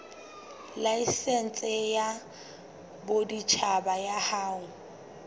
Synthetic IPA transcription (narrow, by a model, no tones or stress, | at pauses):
laisɛn̩t͡sʼɪja | bodit͡ʃʰabajahaːʊ